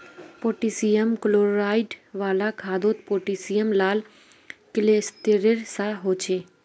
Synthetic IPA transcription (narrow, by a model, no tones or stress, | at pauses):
poːʈisijəmkloːɾaːɪɖʋaːlakʰaːd̪oːt̪poːʈisijəmlaːl | kɪlest̪eɾeɾsaɦoːt͡ʃʰeː